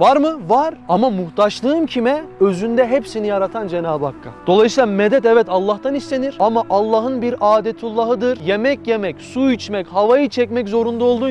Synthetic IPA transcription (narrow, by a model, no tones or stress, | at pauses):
vaɾmɯvaɾamamuht̪ʰaʃlˠɯːmcʰimɛø̞zynd̪ɛɦepsinijaɾat̪ʰand͡ʒenaːbakʰːa̰d̪̥o̞lˠajɯsijːlˠamɛd̪ɛt̪ɛvɛt̪alˠːaxt̪anist̪e̞niɾ̥amaʔalˠːaːɦɯnbiɾaːd̪ɛt̪ʰulˠːaɦɯd̪ɯɾje̞mɛcjemɛcsuit͡ʃmɛchavajɯt͡ʃʰɛcmɛczo̞ɾund̪ao̞lˠd̪u